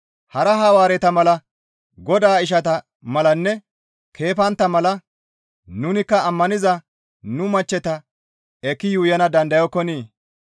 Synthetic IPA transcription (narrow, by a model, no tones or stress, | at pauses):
hɐɾɐɦɐwaːɾɛt̪ɐmɐlɐ | ɡɔd̪aːɪʃ̬ɐt̪ɐ | mɐlɐnːɛ | kʰe̞ːfɐnt̪ːɐmɐlɐ | nʊnɪkːɐːmːɐnɪzɐ | nʊmɐt͡ʃːɛt̪ɐ | ɛkːɪjuːjɐnɐd̪ɐnd̪ɐjɔkːɔniː